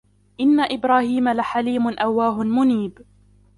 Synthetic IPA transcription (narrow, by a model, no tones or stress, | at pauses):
ʔɪnːaʔɪbɾaːhiːmalaħaliːmʊnʔawːaːɦʊnmʊniːb